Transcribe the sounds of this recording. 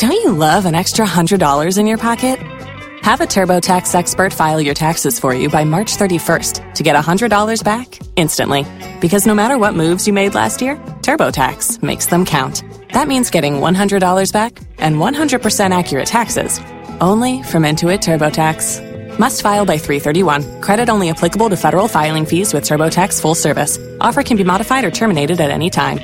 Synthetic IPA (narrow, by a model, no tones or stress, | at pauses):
d̥õʊ̃nt͡ʃɨlʌvə̃nɛkstɹ̥əɦʌ̃ndɹɨdɔlˠə˞zɨ̃njə˞pʰɑkɨt̚ | həvɨtʰɜ˞boʊtʰæksɛkspə˞tfaɪlˠjə˞tʰæksɨz̥fə˞jɨ̰baɪmɑɹt͡ʃθɜ˞ɾifɜ̰˞stʰɨɡɛɾəhʌ̃ndɹɨdɔlˠə˞zbæk | ɪ̃nstɨ̰̃nʔli | b̥ɨkʰʌznoʊmæɾə˞wʌt̚mʉvzjɨmeɪdˡlæ̰st̚jɪɹtʰɜ˞boʊtʰæ̰ksmeɪksðə̃mkʰãʊ̃nt̪ | ðət̚mĩnzɡɛɾɪ̃ŋwʌ̰̃nɦʌ̃ndɹɨdɔlˠə˞zbæk | ʔɨ̃nwʌ̃nɦʌ̃ndɹɨd̚pʰə˞sɛ̃ɾ̃ækʰjə˞ɨ̰tʰæksɪ̰z̥ | ʔõʊ̃nlifɹʌ̃mɪ̃ntʉɨtʰɜ˞boʊtʰæks | mʌstfaɪlˠbaɪθɹiθɜ˞ɾiwʌ̃nkʰɹ̥ɛɾɨɾõʊ̃nliɨpʰl̥ɪkəbl̩ˠtɨfɛɾə˞l̩ˠfaɪlˠɪ̃ŋfizwɨð̥tʰɜ˞boʊtʰæksfʊlˠsɜ˞vɨ̰s | ʔɔ̰fə˞kʰɨ̃n̩bimɑɾɨfaɪɾə˞tʰɜ˞mɨneɪɾɨɾɨɾɛ̰nitʰã̰ɪ̃m